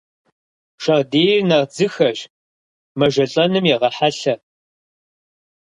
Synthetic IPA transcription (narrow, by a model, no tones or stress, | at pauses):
ʃɐʁdeːjnɐrd͡zɨxɐʒ | mɐʒɐɬʼɐnɨmjɛʁɐħaɬɐ